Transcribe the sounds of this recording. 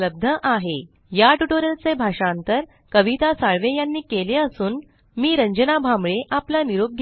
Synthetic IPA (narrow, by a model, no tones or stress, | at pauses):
ləb̚d̪ʱəʔaɦe | jaʈuʈoɾəlt͡sebʱaʂant̪əɾ | kəʋit̪asaɭʋejanːiːkeleəsuːn | miːɾəɲd͡ʑənabʱamɭeʔaplaniɾoɡ̚ɡʱ